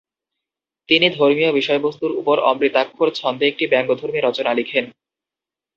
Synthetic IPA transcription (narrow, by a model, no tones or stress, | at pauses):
t̪inid̪ʱoɾmijobiʃɔebost̪uɾupoɾɔ̰mɾit̪akʰːoɾt͡ɕʰɔnd̪ʱeek̚ʈibɛŋɡod̪ʱoɾmiɾɔt͡ɕonalikʰen